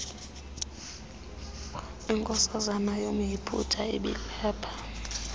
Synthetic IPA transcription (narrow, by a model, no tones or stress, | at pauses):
iŋkʼɔsazanajomujipʰṵtʰaḭɓḭɛːpʰḁ